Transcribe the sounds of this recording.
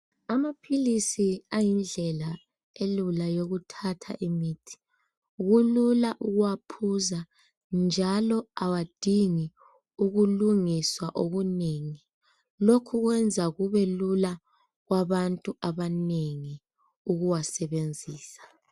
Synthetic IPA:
amapʰilisiajind͡ɮʱɛla | elulajoɣutʰatʰa̰ʔimiːtʰi̥ | ɣululaʔuɣuwapʰuza | nd͡ʒʱalɔawad̥ʱiŋi | uɣuluŋiswaʔoɣuneːŋi | lokʰuɣwɛnd͡zʱaɣuβɛlula | ɣwaβantʼuaβaneŋi | uɣuwasɛβend͡zʱiːsḁ

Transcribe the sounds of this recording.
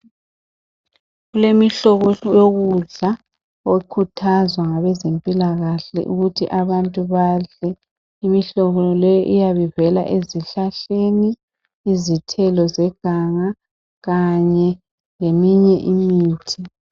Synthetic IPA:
ɣulemiɬɔɣɔjoɣuɮa | okʰutʰazwaŋaβɛzempʼilaɣaɬɛ̰ʔuɣutʰiʔaβantʼuβaɮɛ | imiɬɔɣɔlɛjɔʔijaβɛvɛla̰ʔeziɬaɬeniː | zitʰɛlɔzɛɡ̥ʱaŋa | ɣaɲɛ | ŋemiɲɛʔimiːtʰi

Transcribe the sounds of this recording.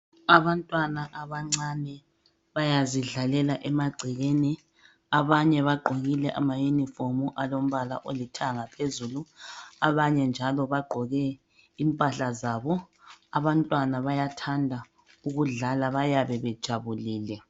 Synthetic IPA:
aβantʼwanaʔaβaŋ͡ǀanɛ | βajaziɮalɛlaʔɛmaɡ͡ǀʱiɣeːni | aβaɲɛβaɡ͡ǃʱoɣilɛʔa̰majunifomuʔalom̩βala̰ʔolitʰaŋapʰezuːluaβaɲɛnd͡ʒʱalɔβaɡ͡ǃʱɔɣɛ | impʼaɬazaːβɔ | aβantʼwanaβajatʰandʱa | uɣuɮalaβajaβɛβɛd̥ʒ̥ʱaβuliːlɛ

